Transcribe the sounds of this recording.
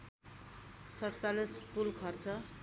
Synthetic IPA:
sʌɽt͡salispulkʰʌrt͡sʌ

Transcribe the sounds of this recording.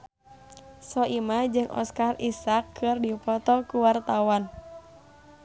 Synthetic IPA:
sɔʔimad͡ʒɨŋʔɔ̰skarisakʰːɨrdipɔt̪ɔkuwart̪awan

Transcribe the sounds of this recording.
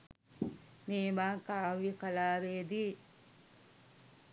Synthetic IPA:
meːmaːkaːʋjikalaːʋeːd̪iː

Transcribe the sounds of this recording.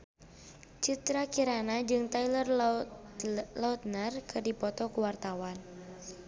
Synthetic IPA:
t͡ʃit̪ɾakiɾanad͡ʒɨŋt̪ajlər | laut̪̚nərkɨdipɔt̪ɔkuwart̪awan

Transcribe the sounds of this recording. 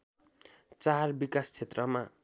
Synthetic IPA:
t͡sarbikast͡sʰet̪rʌma

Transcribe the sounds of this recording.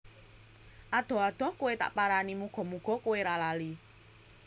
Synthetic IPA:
ʔad̪̥ɔ̤ad̪̥ɔ̤hkuwet̪a̰ʔpaɾanimuɡ̥ɔ̤muɡ̥ɔ̤kuweɾalali

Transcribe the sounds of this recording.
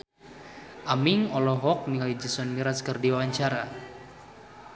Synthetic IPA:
ʔamiŋɔlɔɦɔk̚niŋalid͡ʒisɔnmiɾaskərdiwawaɲt͡ʃaɾa

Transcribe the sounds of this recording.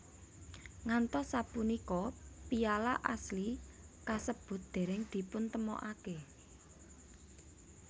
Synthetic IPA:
ŋant̪ɔsapunikɔpijala̰ʔaslikasəb̥ʊ̤t̪̚d̪̥e̤ɾɛŋd̪̥i̤pʊnt̪əmɔ̰ʔake

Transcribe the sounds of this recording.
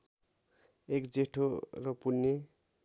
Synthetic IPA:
ekd͡zeʈʰorʌpunːe

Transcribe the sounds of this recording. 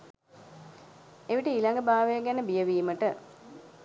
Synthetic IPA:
eʋiʈəilaŋɡəbaːʋejəɡænəbijəʋiːməʈə

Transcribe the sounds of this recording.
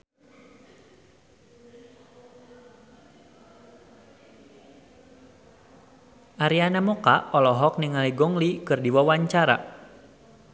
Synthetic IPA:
ʔaɾianamɔkaʔɔlɔɦɔk̚niŋaliɡɔŋlikɨrdiwawaɲt͡ʃaɾa̰

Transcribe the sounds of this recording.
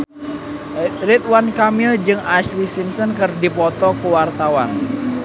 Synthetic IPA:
rit̪̚wankamild͡ʒɨŋaʃlisimsɔnkɨrdipɔt̪ɔkəwart̪awan

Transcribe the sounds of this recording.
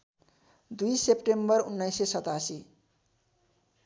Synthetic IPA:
d̪ujsepʈembʌɾunːajsesʌt̪asi

